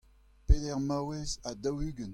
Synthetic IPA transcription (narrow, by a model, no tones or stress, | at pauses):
pedɛʁmawɛzad̪awyɡən